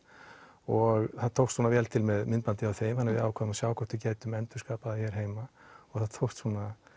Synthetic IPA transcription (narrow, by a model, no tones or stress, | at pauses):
ɔɣθaðt̪ʰowht̪suːnavɛːlt̪ʰɪlmɛðmɪnt̪pant̪ɪawθejɪmhanːɪvɪðaːwkʰaðʏmasjaːwkʰɔht̪ʏceːjt̪ʏmɛnt̪ʏskaːpaðaçjɛɾ̥ɦeːjmaɔɣθaðt̪ʰowht̪suːnːa